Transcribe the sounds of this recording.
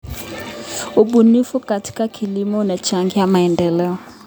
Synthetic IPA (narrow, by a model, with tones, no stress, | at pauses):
u˨bu˨ni˦fu˦ka˨tʰi̥˦ka˦kʰi˨li˦mɔ˦na˨t͡ʃaŋɡi˦ja˦ma˨ɛ˨ndɛ˨lɛ˦ɔ˨